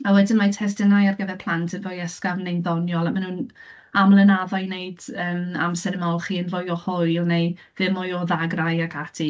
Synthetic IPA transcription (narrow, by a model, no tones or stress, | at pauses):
awɛdɪnmatʰɛsdɛnajarɡəðɛpʰlˠantʰənvojɛskavnejnðɔnjɔlˠamanuːn | amlˠənaðɔɨnejd̥əːma̰msɛɾəmɔlˠχiənvojɔhʊɨlˠnej | ðɪmɔjɔðaɡrajakʰatʰi